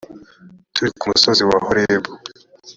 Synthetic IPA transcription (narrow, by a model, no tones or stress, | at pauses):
tuɾikumusoziwahoɾebo